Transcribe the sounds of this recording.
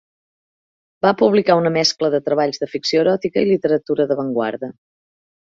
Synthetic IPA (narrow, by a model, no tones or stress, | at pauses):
bapuβlikaunəmɛskləðət̪ɾəβaʎzðəfiksioəɾɔt̪ikəilit̪əɾət̪uɾəðəβəŋɡwa̰ɾðə